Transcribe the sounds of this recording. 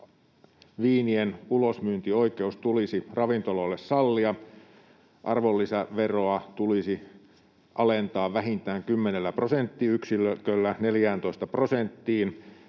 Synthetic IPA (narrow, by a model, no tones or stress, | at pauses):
ʋiːnienulosmyːnt̪io̞ike̞ust̪ulisirɑʋint̪ololːessɑlːiɑ | ʔɑrʋolːisæʋeroɑt̪ulisi | ʔɑlent̪ɑːʋʋæhint̪æːŋkymːenelːæprosent̪ːiːyksiløkølːæneljæːnt̪oist̪ɑprosent̪ːiːn